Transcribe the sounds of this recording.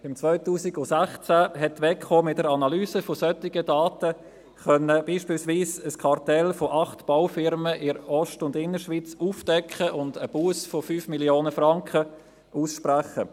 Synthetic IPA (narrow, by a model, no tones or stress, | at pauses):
ɪmt͡sʋœʏtuːsɪɡʊsæχt͡sæɦɛtʋɛkχoːmɪt̚dəɾɑnɑlyːsəfosœtːɪɡədɑːtə | χœnːəb̥iːʃpiːlsʋiːsəskʰɑrtɛlfoʔɑχtb̥aʊfɪɾməʔɪɾɔʃtʊndɪnːəɾʃʋiːt͡suːfd̥ɛkχəʔʊndəb̥uəsfofyːfmiljoːnəfrɑŋkχə | ʔuːsʃpræχə